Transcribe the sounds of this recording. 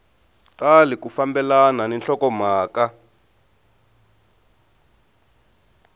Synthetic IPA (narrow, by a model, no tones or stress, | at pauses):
talikufambɛlananɛnɬɔkɔmaːka